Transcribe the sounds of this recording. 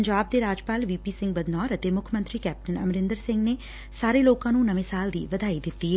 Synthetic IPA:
ɲd͡ʒaːb̚d̪eːɾaːd͡ʒpaːlʋiːpiːsɪ̃ŋɡbəd̪nɔːɾət̪eːmʊkʰəmə̃nt̪ɾiːkɛːp̚ʈənə̰mɾɪ̃nd̪əɾsɪ̃ŋɡneː | saːɾeːloːkãːnũːnəʋẽːsaːld̪ḭːʋəd̪ʱaːid̪ɪt̪ːiːɛ

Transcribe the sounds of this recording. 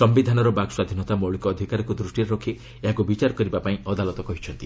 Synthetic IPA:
sɔmbid̪ʱanɔɾɔbaɡswad̪ʱinɔt̪amɔɭikɔːd̪ʱikaɾɔkud̪ɾusʈiɾeɾɔkʰi | eɦakubit͡ʃaɾɔkɔɾibapaĩɔd̪alɔt̪ɔkɔɦit͡ʃʰɔnt̪i

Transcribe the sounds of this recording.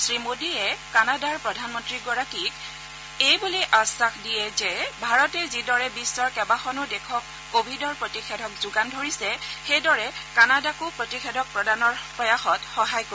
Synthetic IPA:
sɹimodiɛkanadaɹpɹɔdʱanmɔntɹiɡɔɹakik | ejbuliʔasaxdijɛzɛbʱaɹɔtɛzidɔɹɛbisːɔɹkɛbaxɔnʊdɛkʰɔkːobʱidɔɹpɹotixɛdʱɔkzuɡandʱoɹisɛxejdɔɹɛkanadakʊpɹotixedʱɔk̚pɹɔdanɔɹpɹɔjaxɔtxɔɦajko

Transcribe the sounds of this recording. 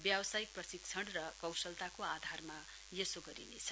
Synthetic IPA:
bjabʌsajik̚prʌsik̚t͡sʰʌɽrʌkʌwsʌlt̪akoad̪ʱarma | jesoɡʌɾḭnḛt͡sʰʌ̥

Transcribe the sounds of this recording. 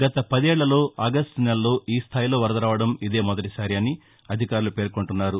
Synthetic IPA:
ɡɐt̪ɐpɐd̪ɛːɭːɐlo̞ːɐɡɐsʈnɐlɐlo̞ːʔiːst̪ʰaːjlo̞ːʋɐɾɐd̪ɐɾaːʋɐɽɐmid̪e̞ːmɔd̪ɐʈisaːɾiɐni | ɐd̪ʱikaːɾulupe̞ːɾkoɳʈunːaːɾu

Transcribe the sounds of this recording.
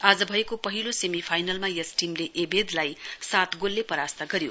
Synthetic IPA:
ad͡zʌbʱʌekopʌɦilosemipʰajnʌlmajʌsʈimleʔebed̪lajsat̪ɡolːepʌɾast̪ʌɡʌɾjo

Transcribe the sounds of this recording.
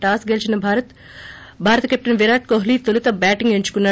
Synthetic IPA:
ʈaːsɡelt͡ʃinɐbʱaɾɐt̪ | bʱaːɾɐt̪ɐkep̚ʈɐnʋiɾaːʈ̚koɦliːt̪olut̪ɐbaːʈiŋɡeɲt͡ʃu̥kunːaː

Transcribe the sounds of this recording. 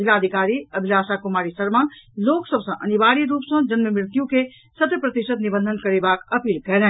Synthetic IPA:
d͡ʒɪlad̪ʱikaɾiəbʱilaːsakumaːɾisəɾmaloksəbsɐ̃ʔənibaɾiɾuːpsə̃d͡ʒənməmɾɪt̪jũke | sət̪jəpɾət̪iʃət̪nibə̃nd̪ʱənkəɾebakəpiːlkɛlɛ̃

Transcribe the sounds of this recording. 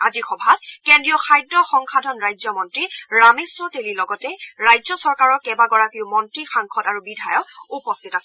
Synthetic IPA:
azixɔbʱatkendɹijɔxʰajdɹɔxɔŋxʰadʱɔnɹajzɔmɔntɹiɹamesɔtelilɔɡɔtɛɹajzɔsɔɹkaɹɔkɛbaɡɔɹakiʊmɔntɹixaŋkʰɔtaɹubidʱajɔk̚upɔstʰitasɛ

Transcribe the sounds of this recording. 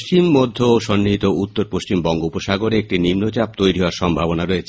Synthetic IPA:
st͡ɕimːod̪ʱːoʃɔnːiɦit̪out̪ːoɾpoʃt͡ɕimbɔŋɡoupoʃaɡoɾeek̚ʈinimnot͡ɕap̚t̪ojɾiɦɔoaɾʃɔmbʱabonaɾoet͡ɕʰe

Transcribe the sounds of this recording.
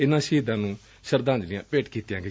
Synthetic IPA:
ɪnãːʃiːd̪ãːnũː | ʃəɾd̪ãːnd͡ʒlɪjãːpeːʈkiːt̪ɪjãːɡe

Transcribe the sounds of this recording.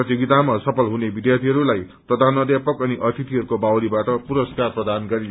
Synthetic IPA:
ʌt̪jiɡit̪amasʌpʰʌlɦunebid̪jart̪ʰiɦʌɾulaj | pʌd̪anʌd̪japʌkʌniʔʌt̪ʰit̪iɦʌɾukobawlibaʈʌpuɾʌskarprʌd̪anɡʌɾi

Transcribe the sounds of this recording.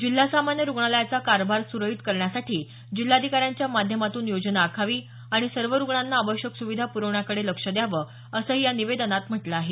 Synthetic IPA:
d͡ʑilːasamanjəɾuɡɳaljat͡sakaɾbʱaɾsuɾəɦit̪kəɾɳjasaʈiː | d͡ʑil̤ːad̪ʱikaɾjaɲt͡ɕjamad̪ʱjəmat̪uːnjod͡ʑnaːkʰaʋiː | aɽ̃isəɾʋəɾuɡɳanːaːʋəɕjəksuʋid̪ʱapuɾəʋɳjakəɽeləkʂəd̪jaʋə | əsəːjaniʋed̪nat̪m̤əʈləaɦe

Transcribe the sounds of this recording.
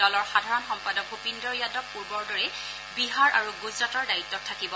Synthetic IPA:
dɔlɔɹxadʱaɹɔnxɔmpadɔk̚bʱupindɔɹjadɔkpuɹbɔɹdɔɹɛ | biɦaɹʔa̰ɹuɡuzɹatɔɹdaitːɔtʰːakibɔ

